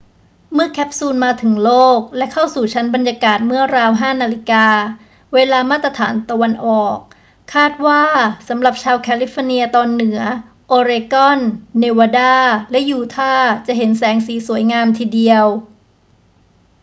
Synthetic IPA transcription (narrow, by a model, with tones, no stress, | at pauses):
mɯ˥˩ɐkʰɛ˦˥p̚suː˧nmaː˧t̪ʰɯ˩˦ŋloː˥˩k̚lɛ˦˥kʰa˥˩wsuː˨˩t͡ɕʰa˦˥nba˧njaː˧kaː˨˩t̪̚mɯ˥˩ɐɾaː˧wɦaː˥˩naː˧li˦˥kaː˧ | weː˧laː˧maː˥˩t̪ːɾa˧t̪ʰaː˩˦nt̪a˧wa˧nʔɔː˨˩k̚ʰː | aː˥˩t̪̚waː˥˩sa˩˦mɾa˨˩p̚t͡ɕʰaː˧wkʰɛː˧li˦˥fɔ˧ni˧ɐt̪ɔː˧nːɯ˩˦ɐ | ʔoː˧ɾeː˧kɔ˥˩nːeː˧waː˧daː˥˩lɛ˦˥juː˧t̪ʰaː˥˩t͡ɕa˨˩ʔɦe˩˦nsɛː˩˦ŋsiː˨˩˦su˨˩˦əjŋaː˧mt̪ʰiː˧di˧əw